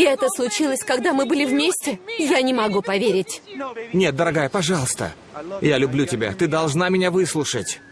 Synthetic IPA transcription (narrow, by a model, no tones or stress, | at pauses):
ɪɛt̪əslˠʊt͡ɕilˠəsʲkɐɡd̪amɨbɨlʲɪvmʲesʲtʲɪjanʲɪmɐɡupɐvʲeɾʲɪtʲnʲe̞t̪̚d̪əɾɐɡajəpɐʐɑlˠəst̪ə̰ | jalʲʊblʲutʲɪbʲa̰t̪ɨd̪ɐlˠʐnamʲɪnʲavɨslˠʊʂətʲ